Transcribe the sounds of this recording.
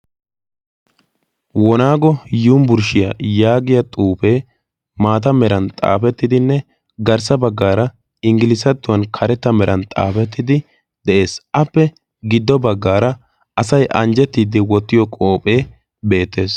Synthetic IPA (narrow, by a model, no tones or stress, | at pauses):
wɔnaːɡɔjuːmbʊɾʃɪjajaːɡɪjɐt̪ʼuːpeː | maːt̪ɐmɛɾɐnt̪ʼa̰ːfɛt̪ːɪd̪ɪnːɛ | ɡɐɾsɐbɐɡːaːɾɐ | ɪŋɡɪlɪsɐt̪ːʊwɐnkʰɐɾɛt̪ːɐmɛɾʔɐnt̪ʼa̰ːfɛt̪ːɪd̪ɪ | d̪ɛʔe̞ːsʔɐpːɛ | ɡɪd̪ːɔbɐɡːaːɾɐ | ʔɐsɐjʔɐnd͡ʒɛt̪ːiːd̪ɪwɔt̪ːɪjɔkʼo̞ːpʼe̞ː | be̞ːt̪ːe̞ːs